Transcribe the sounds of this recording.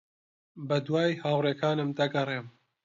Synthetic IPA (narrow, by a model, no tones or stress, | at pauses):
bɐd̪waːjhaːwreːkʰaːnɨmd̪ɐɡɐreːm